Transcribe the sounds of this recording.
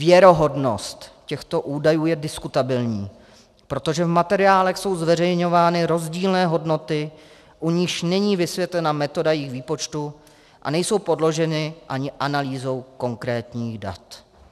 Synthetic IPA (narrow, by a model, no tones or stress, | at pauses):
vjɛɾo̞ɦo̞dno̞̰st̪cɛxt̪o̞ʔuːdajuːjɛdɪskut̪abɪlɲiː | pɾo̞t̪o̞ʒɛvmat̪ɛɾɪaːlɛxso̞wzvɛrɛjɲo̞vaːnɪɾo̞zɟiːlnɛːɦo̞dno̞t̪ɪ | ʔuɲɪʃnɛɲiːvɪsvjɛt̪lɛnamɛt̪o̞dajɛjiːxviːpo̞t͡ʃt̪u | ʔa̰nɛjso̞wpo̞dlo̞ʒɛnɪʔaɲɪʔanaliːzo̞wko̞ŋkɾɛːt̪ɲiːxda̰t̪